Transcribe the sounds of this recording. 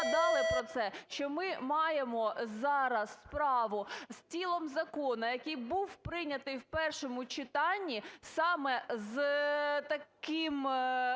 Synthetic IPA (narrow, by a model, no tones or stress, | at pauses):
d̪ɑlˠɪpɾɔt̪sɛʃt͡ʃɔmɪmɑjemɔzɑɾɐsːpɾɑʋʊst͡sʲilˠɔmzɐkɔnɐjɐkɪjbuwpɾɪnʲɐt̪ɪjwpɛrʃɔmʊt͡ʃɪt̪ɑnʲːisɑmɛzt̪ɐkɪm